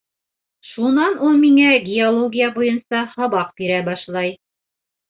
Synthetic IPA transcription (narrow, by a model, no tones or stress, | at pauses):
ʃunɑnulˠmiŋæɡʲiolˠoɡʲijabujɤnsɑhɑβɑq̚biɾæbɑʃlˠɑj